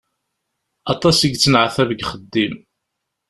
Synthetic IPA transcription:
ɑt̪ˤɑsiɡ̪t͡sːənʕθævəɡχəd̪ːim

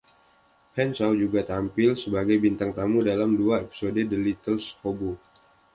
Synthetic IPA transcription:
hɛnsawd͡ʒuɡat̪ampɪlsəbaɡajbint̪aŋt̪amudalamduaepi̥sodədəlit̪əlshobo

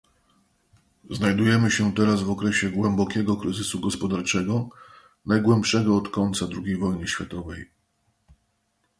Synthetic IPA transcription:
znajd̪ujɛmɘɕɛt̪ɛɾasvɔkɾɛɕɛɡwɛmbɔkʲɛɡɔkɾɘzɘsuɡɔspɔd̪aɾt͡ʂɛɡɔ | najɡwɛmpʂɛɡɔːt̪kɔnt̪sad̪ɾuɡʲejvɔjnɘɕfʲjat̪ɔvɛj

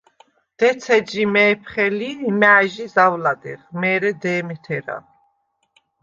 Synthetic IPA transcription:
d̪̥ɛt̪sʰɛd͡ʒimɛːpʰχɛlimaːʒizawlad̪ɛʁmɛːɾɛd̪ɛːmɛt̪ʰɛɾa̰

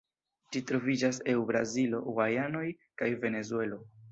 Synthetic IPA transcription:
d͡ʒitɾo̞vid͡ʒase̞wbɾa̰zilo̞wajano̞j | kajve̞ne̞zue̞lo̞

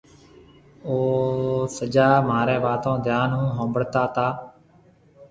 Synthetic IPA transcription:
oːsəd͡ʒaːmaːɾɛːʋaːt̪õːd̪ʱjaːnɦũːɦõːmbəɽt̪aːt̪aː

